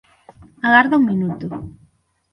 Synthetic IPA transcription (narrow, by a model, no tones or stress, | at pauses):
aɣaɾðauŋminut̪u